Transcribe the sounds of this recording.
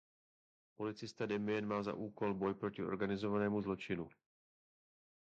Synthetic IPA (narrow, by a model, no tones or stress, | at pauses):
polɪt͡sɪst̪ad̪ɛmɪɛnmaːza̰ʔuːkolbojpɾocɪoɾɡanɪzovanɛːmuzlot͡ʃɪnu